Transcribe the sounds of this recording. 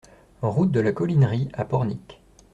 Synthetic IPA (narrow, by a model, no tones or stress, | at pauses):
ʁut̪̚d̪əlakɔlinʁiapɔʁnik